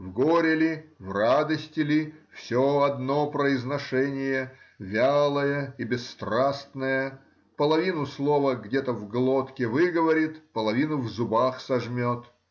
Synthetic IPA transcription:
vɡoɾʲɪlʲɪvrad̪əsʲtʲɪlʲɪfsʲoɐd̪nopɾəɪznɐʂɛnʲɪjəvʲalˠəjəibʲɪsːt̪rasnəjə | pəlˠɐvʲinʊslˠovəɡdʲet̪əvɡlˠot̪kʲɪvɨɡəvɐɾʲɪt̪pəlˠɐvʲinʊvzʊbaxsɐʐmʲot̪

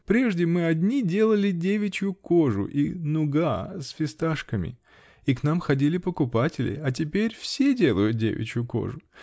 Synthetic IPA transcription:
pɾʲe̞ʐdʲɪmɨɐdʲnʲidʲe̞lˠəlʲɪdʲevʲɪt͡ɕjʊko̞ʐʊ̰ʔinʊɡasfʲɪst̪aʂkəmʲɪ̰ | iknamxɐdʲilʲɪpəkʊpatʲɪlʲɪ̰ɐt̬ʲɪpʲeɾʲfsʲedʲe̞lˠəjʊt̪̚dʲḛvʲɪ̰t͡ɕjʊko̞̰ʐʊ

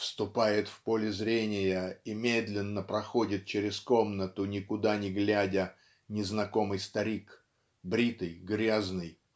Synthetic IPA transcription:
fst̪ʊpajɪt̪fpolʲɪzɾʲenʲɪjəimʲed̪lʲɪnːəpɾɐxo̞dʲɪt̪̚t͡ɕeɾʲɪskomnət̪ʊnʲɪkʊd̪anʲɪɡlʲædʲə | nʲɪznɐko̞mɨjst̪ɐɾʲik | bɾʲit̪ɨjɡɾʲaznɨj

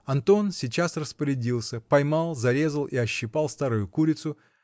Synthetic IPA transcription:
ɐnt̪o̞nsʲɪt͡ɕasrəspəɾʲɪdʲilˠsʲəpɐjmalˠzɐɾʲe̞zəlˠiɐɕːɪpalˠst̪aɾʊjʊkuɾʲɪt̪sʊ

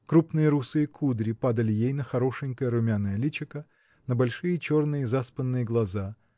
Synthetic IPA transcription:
kɾupnɨjəɾusɨjəkʰud̪ɾʲɪpad̪əlʲɪjejnəxɐɾo̞ʂɨŋʲkəjəɾʊmʲanːəjəlʲit͡ɕɪkə | nəbɐlʲʂɨjət͡ɕo̞rnɨjəzaspənːɨjəɡlˠɐza

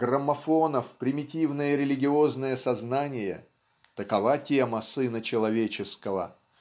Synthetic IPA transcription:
ɡ̥rəmːɐfonəfpɾʲɪmʲɪtʲivnəjəɾʲɪlʲɪɡʲɪo̞znəjəsɐznanʲɪjə̰ | t̪əkɐvatʲeməsɨnət͡ɕɪlˠɐvʲet͡ɕɪskəvə

